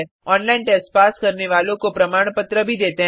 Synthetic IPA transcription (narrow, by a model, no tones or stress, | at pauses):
ɔːnlaːɪnʈɛspaːskɐɾneʋaːlõkopɾɐmaːɳ̃pət̪ɾəbʱid̪eːt̪eɦ